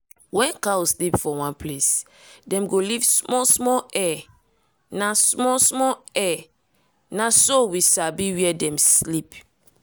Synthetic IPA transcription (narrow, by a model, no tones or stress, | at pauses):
wɛ̃nkawslipfɔwãnpʰles | dɛ̃mɡolivsmɔsmɔɛ | nasmɔsmɔɛ | nasowisabiwiɛdɛ̃mslip